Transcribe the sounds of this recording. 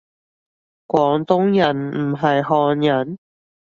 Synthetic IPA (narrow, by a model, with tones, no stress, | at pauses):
kʷɔː˨˧˥ŋt̪ʊ˥ŋjɐ˨˩nm̩˨˩ɦɐ˨jɦɔː˨˧njɐ˨˥n